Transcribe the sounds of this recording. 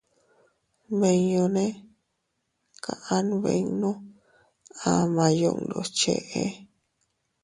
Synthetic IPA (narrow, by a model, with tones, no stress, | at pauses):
βe˧ɲõ˧nẽ˦ | kã̰˨ʔã˦n˦βḛ̃˧˦nũ˦ | a˧mã˧jo˧ʔnd̪o̰˧˨t͡ʃḛ˧ʔe˧˦